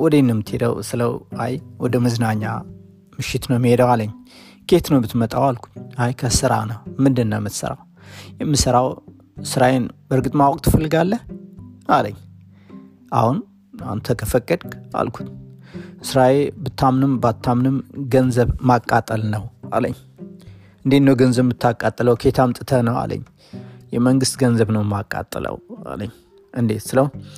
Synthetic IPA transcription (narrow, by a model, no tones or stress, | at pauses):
wɔd̪enːɨmːɨt̪ʰhed̪ə̰wsɨləwa̰jwɔd̪əmɨzɨnaɲːa̰ | mɨʃɪt̪nəwmhed̪əwaləɲːkʰe̞t̪nəwbɨt̪mət̪ʼawalkʰu̥t̪ajkʰəsɨɾa̰nəwmɨnd̪ɨnːəwmɨt̪sə̰ɾa̰w | jɛmːɨsəɾaw | sɨɾaenbəɾɡɨt̪ʼmawɔkʼt̪ʰɨfəlːɨɡalːə | aləɲː | ʔa̰hun | ant̪ʰəkʰəfəkʼːəd̪ka̰lkʰu̥t̪ɨsɾaelbɨt̪ʰːamnɨmbat̪ʰːamnɨmɡənzəβmakʼːat̪ʼːəlnəwa̰lə̰ɲː | ʔɨnd̪et̪nːəwɡənzəβːɨt̪ʰːakʼat̪ʼːələwkʰe̞t̪ʰamt̪ʼɨt̪ʰənəwa̰lʔə̰ɲː | jɛməŋɡɨst̪ɡənzəβnəwmakʼːa̰t̪ʼːələ̰wa̰lə̰ɲː | ʔɨnd̪et̪sɨləun